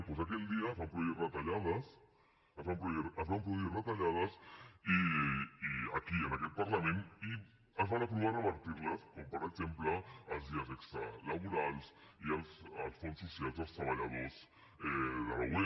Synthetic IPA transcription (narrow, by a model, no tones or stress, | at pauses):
pwesak̬ɛʎd̪iɐːzβampɾuβirət̪aʎaðəs | əzβampɾuðiɾəzβampɾuβuðirət̪aʎaðəsiiakiənakɛt̪̚paɾlamẽni | əzβanap̬ɾuβarəβɐɾt̪iɾləskompəɾəɡz̥empləːlˠzðiəzɛkst̪ɾə̰laβuɾalˠsiəlsəlˠsfonsːusjalzəlˠst̪ɾəβaʎaðos | ɛðəlawɛ